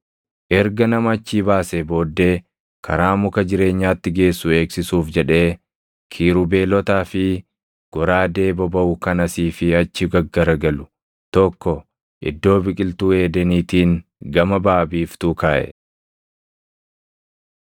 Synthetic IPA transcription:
ʔɛɾɡɐnɐmɐɐt͡ʃːiːbaːsebo̞ːd̪ːe̞ː | kʰɐɾaːmʊkɐd͡ʒɪɾe̞ːɲːaːt̪ːɪɡe̞ːsːʊe̞ːksɪsuːfd͡ʒɛᶑe̞ː | kʰiːɾʊbe̞ːlɔt̪aːfɪ | ɡ̥ɔɾaːd̪e̞ːbɐbɐʔʊkɐnɐsiːfɪɐt͡ʃːɪɡɐɡːɐɾɐɡɐlʊ | t̪ɔkːɔ | ʔɪ̰d̪ːo̞ːbɪkʼɪlt̪uːe̞ːd̪ɛniːt̪iːŋɡɐmɐbaːbiːft̪uːkaːʔɛ̰

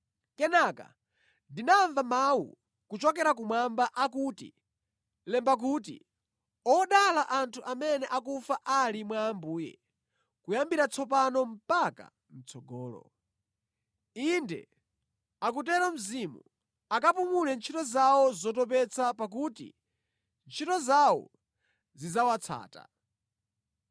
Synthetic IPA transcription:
kɛnaka̰ | ndinaːɱvamawṵ | kut͡ʃɔkɛɾakumwambaʔakuːtḭ | lɛmbak̬ut̬ḭ | ɔɗalaʔantʰuʔamɛnɛʔakufaʔalimwaːmbuːjɛ̰ | kujambiɾat͡sʰɔp̬anɔm̩paka̰ | m̩t͡sʰɔɡɔːlɔ̰ | indɛ̰ | ak̬utɛɾɔm̩zimṵ | akapumulɛnt͡ʃʰitɔzawɔzɔtɔpɛt͡sʰapak̬uːtḭ | nt͡ʃʰitɔzawɔ̰ | zizawat͡sʰa̰ːta̰

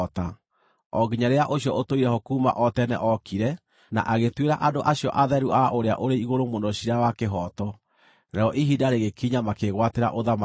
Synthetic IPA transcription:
ta | ɔɡiɲaɾeaʔoɕjɔʔotoiɾɛhokuːma̰ʔɔtɛnɛ̰ʔɔkiɾɛ | na̰ʔaɣetweɾaʔadoʔaɕjɔʔaðɛɾuʔaʔoɾea̰ʔoɾeiɣoɾomondɔɕiɾawakeɦɔːtɔ | ɾɛɔʔiɦidaɾeɣekiɲamakeɣwateɾa̰ʔoðama

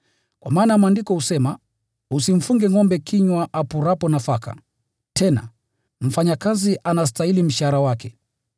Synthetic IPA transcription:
kwa̰maːnam̩andikɔhusɛma | usim̩fuŋɡɛŋɔmbɛkʰiɲwaʔapuɾapɔnafaka̰ | tʰɛna̰ | m̩faɲakaziʔanas̬tailim̩ʃaɾawakɛ

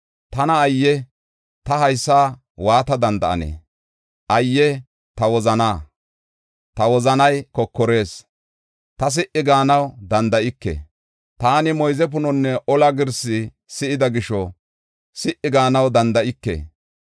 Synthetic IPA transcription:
t̪ɐnɐːjːɛ | t̪ɐhɐjsːaː | waːt̪ɐd̪ɐnd̪ɐʔɐ̰nḛː | ʔɐjːɛ | t̪ɐwɔzɐnaː | t̪ɐwɔzɐnɐjkɔkːɔɾe̞ːs | t̪ɐs̬ɪʔɪɡaːnɐwd̪ɐnd̪ɐʔɪkːḛ | t̪aːnɪmɔjzɛpʊnɔnːɛʔɔlɐɡɪɾsɪ | sɪɪd̪ɐɡɪʃɔ | sɪʔɪɡaːnɐwd̪ɐnd̪ɐʔɪkːḛ

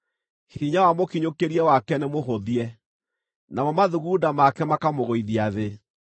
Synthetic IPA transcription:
hiɲawamokiɲokeɾiɛwakɛnemoɦoðiɛ | namɔmaðuɣudamakɛmakamoɣoiðiaðe

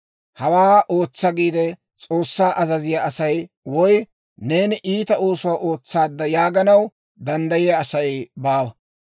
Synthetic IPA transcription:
hɐwaːʔo̞ːt͡sːɐɡiːd̪ɛ | t͡sʼo̞ːsːaːʔɐzɐzɪjɐɐsɐj | wɔj | ne̞ːnɪʔiːt̪ɐo̞ːsʊwaːʔo̞ːt͡sːaːd̪ːɐjaːɡɐnɐw | d̪ɐnd̪ɐjɪjɐːsɐjbaːwɐ

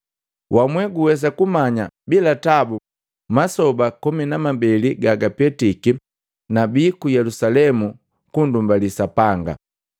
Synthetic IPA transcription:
wʔamwɛɡuwɛs̬akumaɲabilatabu | masɔbakɔminamambɛliɡaɡapɛtiki | nabiːkujɛlusalɛmu | kundumbalisapaŋɡa̰

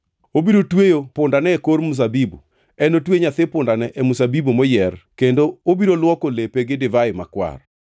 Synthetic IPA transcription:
obiɾotwejopʊndanɛkoɾmus̬abibu | ɛnotweɲat̪ɪpʊndanɛʔɛmusabibumɔjɛrkendoobiɾolwɔkolepeɡɪdɪvaɪma̰kwa̰r

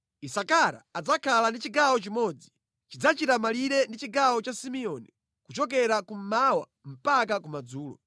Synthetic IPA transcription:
isakaɾa̰ːd͡zakʰalandit͡ʃiɡawɔt͡ʃimɔd͡zi | t͡ʃid͡zat͡ʃitamaliɾɛndit͡ʃiɡawɔt͡ʃasimiɔni | kut͡ʃɔk̬ɛɾakum̩mawa̰ | m̩pak̬akumad͡zuːlɔ̰

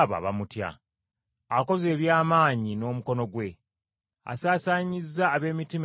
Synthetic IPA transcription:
βa̰βa̰mutja̰ | ako̞ze̞ːβjaːmaːɲino̞ːmuko̞no̞ɡwe̞ | a̰saːsaːɲizːaːβe̞ːmitim

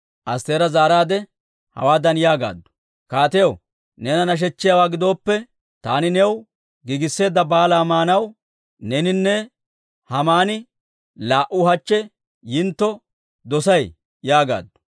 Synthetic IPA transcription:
ʔɐst̪eːɾɐzaːɾaːd̪ɛ | hɐ̰waːd̪ɐnjaːɡa̰ːd̪ːʊ̥ | kaːt̪ɛjɐw | nɛnɐnɐʃ̬ɛt͡ʃːɪjawaːɡɪd̪o̞ːpːɛ | t̪aːnɪnɛw | ɡɪɡɪsːe̞ːd̪ːɐbaːlaːmaːnɐw | nɛnɪnːɛ | hɐmaːnɪ | laːʔʊhɐt͡ʃːɛ | jɪnt̪ːɔ | d̪ɔsɐj | jaːɡa̰ːd̪ːʊ̥

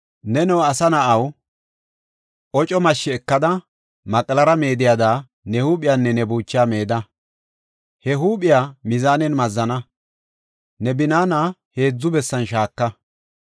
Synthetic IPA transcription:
nɛnɛwɐsɐnɐʔɐw | ʔɔt͡ʃʼɔmɐʃːɪɛkːɐd̪ɐ | mɐkʼlɐɾɐme̞ːd̪ɪjaːd̪aː | nɛhuːpʼɪjaːnːɛnɛbuːt͡ʃːjaːme̞ːd̪ɐ | hɛɦuːpʼɪjamɪzaːnɛnmɐzːɐnɐ | nɛbɪnaːnaːhe̞ːd͡zːʊbɛsːɐnʃaːkːɐ

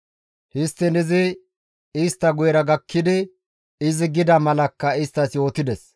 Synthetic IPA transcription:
hɪst̪ːɛnɪzɪ | ɪst̪ːɐɡʊjɛɾɐɡɐkːɪd̪ɪ | ɪzɪɡɪd̪ɐmɐlɐkːɐɪst̪ːɐsjo̞ːt̪ɪd̪ɛs

